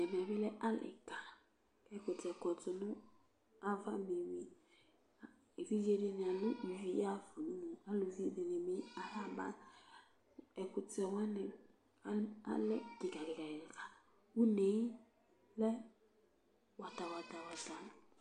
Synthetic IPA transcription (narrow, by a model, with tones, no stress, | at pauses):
ɛ˨mɛ˨vɛ˦lɛ˦ʔa˦lɪ̰˨ka˨ | ɛ˦kʊ˨tɛ˨kɔ˨tʊ˨nʊ˦ | a˦va˦me˨wi˦˨ | vi˦d͡ʒe˦de˦n˨a˨lʊ˦ʔi˨vi˨ja˦vu˨nu˦mu˨a˦lu˨vi˦de˨ne˨me˦a˨ɦa˦ba̰˦ | ɛ˨kʊ˨tɛ˨wɛ˦nɛ˨ | a˦a̰˦lɛ˦ɡi˨ɡa˨ɡi˨ɡa˨ka˨ | u˦ne˨˦ | lɛ˦ | wa˨ta˨wa˨ta˨wa˨sa˨m˨